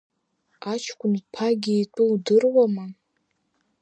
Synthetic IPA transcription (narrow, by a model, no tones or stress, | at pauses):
at͡ʃʰkʷʊnpʰaɡʲiitʷʼɨwdɨrwama